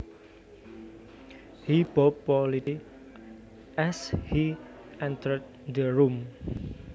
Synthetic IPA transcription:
hibop̚pɔliti | ʔɛshi | ʔɛnt̪əɹd̪̚d̪əɹum

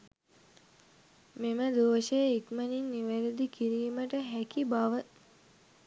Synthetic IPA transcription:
meməd̪oːʃəjəikməninːiʋæɾəd̪ikiɾiːməʈəɦækibaʋə

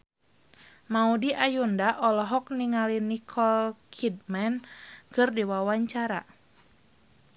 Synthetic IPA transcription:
maudiʔajundaʔɔlɔɦɔk̚niŋalinikʰɔlkʰid̚mɛnkɨrdiwawaɲt͡ʃaɾa̰

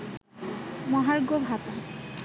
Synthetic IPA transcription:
mɔɦaɾɡobʱat̪a

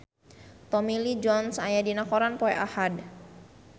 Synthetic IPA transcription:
t̪ɔmilid͡ʒɔnsajadinakɔɾanpɔɛʔahad

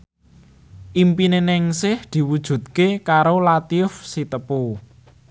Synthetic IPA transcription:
ʔimpinenɪŋsɪhd̪̥i̤wud̥ʒ̥ṳt̪̚kekaɾolat̪iʊfsit̪əpu

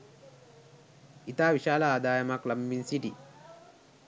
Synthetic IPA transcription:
ʔit̪aːwiʃaːlaːd̪aːjɐmaklɐmːinsiʈi

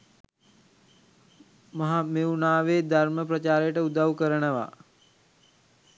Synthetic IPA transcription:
maɦamewunaːʋeːd̪ʱaɾməp̬ɾɐt͡ʃaːɾəjəʈəud̪awkəɾənəʋa̰ː

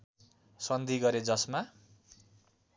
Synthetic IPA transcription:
sʌnd̪ʱiɡʌɾed͡zʌsma

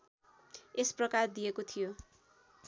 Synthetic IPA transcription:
esprʌkard̪ijekot̪ʰijo

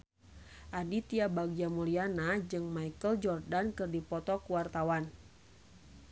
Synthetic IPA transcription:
ʔadit̪iabaɡd͡ʒamulianad͡ʒɨŋmaikəld͡ʒɔrdankɨrdipɔt̪ɔkuwart̪awan

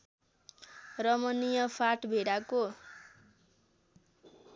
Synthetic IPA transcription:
rʌmʌnijʌpʰaʈbʱeɽako

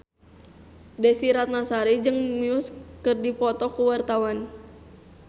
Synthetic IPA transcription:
desiɾat̪̚nasaɾid͡ʒɨŋmiuskɨrdipɔt̪ɔkuwart̪awan

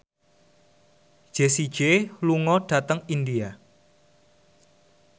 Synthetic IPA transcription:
d̥ʒ̥esid̥ʒ̥eluŋɔɖ̥a̤t̪əŋindia

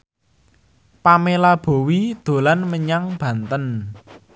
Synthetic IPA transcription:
pamelab̥o̤wid̪̥o̤lanməɲaŋb̥ä̤nt̪ən

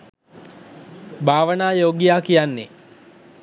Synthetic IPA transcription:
bʱaːʋənaːjoːɡijaːkijanːe

